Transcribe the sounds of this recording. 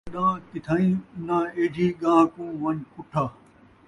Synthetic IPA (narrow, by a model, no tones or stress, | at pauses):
ɗãːkɪt̪ʰaːĩːʊnãːeːd͡ʑiːɡãːkũːʋɐ̃ɲkʊʈʰaː